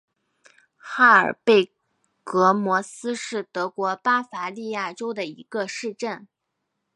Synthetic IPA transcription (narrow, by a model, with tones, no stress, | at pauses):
xa˥ə̰˞˨˩pe˥˩ɪ | kɤ˧˥mwɔ˧˥sɹ̩˥ʂɻ̩˥˩t̪ɤ˧˥kwɔ˧˥pa˥fa˧˥li˥˧ja˥˩ʈ͡ʂo˥ʊd̪ə˨i˧˥ɡ̥ə˧ʂɻ̩˥˧ʈ͡ʂə˥˩n